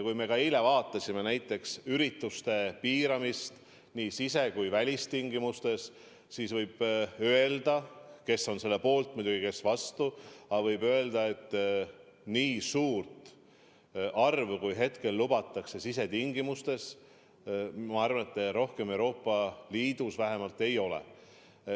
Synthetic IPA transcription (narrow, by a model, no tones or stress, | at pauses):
kujme̞kɑile̞vɑːt̪ːˑɑsʲime̞næjt̪ːˑe̞ksyɾit̪ːˑust̪e̞piːɾɑmist̪ | niːsise̞kujvælʲist̪iŋɡimust̪e̞s | siːsvɤjb̥øe̞ld̪̥ɑke̞sːo̞nse̞lːe̞po̞ːlt̪̚mud̪uɡ̥ike̞svɑst̪uɑvɤjbø̞e̞ld̪̥ɑe̞t̪ˑː | niːsuːrt̪ | ʔɑrvkujɦe̞t̪ke̞lːubɑt̪ːˑɑkse̞sise̞t̪iŋɡimust̪e̞s | mɑɑrvɑnet̪ːˑɾo̞hke̞me̞wɾo̞ːpˑːɑliːd̪̥usvæɦe̞mɑlt̪ːˑe̞jo̞lḛ